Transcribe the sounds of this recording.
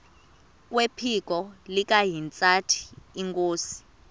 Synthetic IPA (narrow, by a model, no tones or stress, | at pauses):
k̬ʼwepʰik̬ʼɔlik̬ʼaɦint͡sʼatʰi̥ːŋkʼoːsi̥